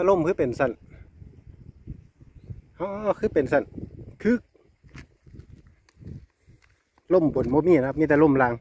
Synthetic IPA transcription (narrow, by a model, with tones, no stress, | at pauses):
a˧lo˧˥˨mkʰɯː˧˦pe˨nsa˧˥˨n | ʔɔ˧ʔkʰɯː˧˥˨pe˨nsa˧˨nkʰɯː˧˥˨k̚ | lo˧˥˩mpo˨˦nboː˧˦miː˧˨na˧˩mi˧˨t̪a˧˦lo˧˩˨mlaː˧˦ŋ